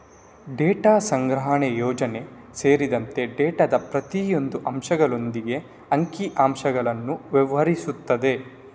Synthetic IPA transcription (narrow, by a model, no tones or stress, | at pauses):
ɖeːʈaːsɐŋɡɾɐɦɐɳejɔːd͡ʒɐne̞ | se̞ːɾid̪ɐnt̪e̞ɖɛːʈɐd̪ɐpɾɐt̪ijo̞nd̪uʔɐmʃɐɡɐɭo̞nd̪iɡe̞ | ɐŋkiʔaːmʃɐɡɐɭɐnːuʋɛʋɐɾisut̪ːɐd̪e̞